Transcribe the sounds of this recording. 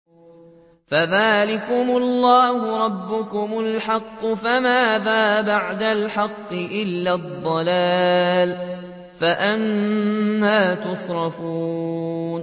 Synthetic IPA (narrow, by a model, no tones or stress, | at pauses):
faðaːlɪkʊmʊlːaːhʊɾˤɑbːʊkʊmʊlħɑqːʊfamaːðaːbaʕd̪alħɑqːɨʔɪlːad̪ˤːɑlaːl | faʔan | haːt̪ʊsˤɾˤɑfuːn